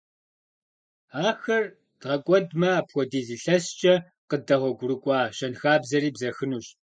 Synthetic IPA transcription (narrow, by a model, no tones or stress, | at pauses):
aːxɐr | d̥ʁɐkʷʼɔdmɐaːpxʷɔdiːziːɬɐst͡ʃʼɐ | qədɐʁʷɔɡʷʊɾɨkʷʼɑːʃɐnxaːbzɐɾiːbzɐxɨnuːɕʼ